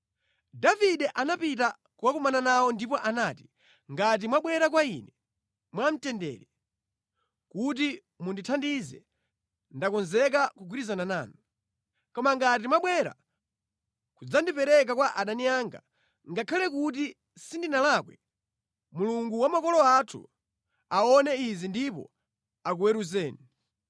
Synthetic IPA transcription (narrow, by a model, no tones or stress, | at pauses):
daviɗɛʔanapita | kuwakumananawɔndipɔʔanaːti̥ | ŋɡat̬imwaɓwɛɾakwainɛ | mwam̩tɛndɛ̰ːɾɛ | kut̬i | munditʰandizɛ̰ | ndakɔnzɛk̬akuɡwiɾizanana̰ːnɔ | kɔmaŋɡat̬imwaɓwɛɾa̰ | kud͡zandipɛɾɛk̬akwaʔaɗaniaŋɡa̰ | ŋɡakʰalɛk̬ut̬i | sindinalakwɛ | muluŋɡuwamakɔlɔatʰṵ | aɔnɛizindipɔ̰ | akuwɛɾuzɛːni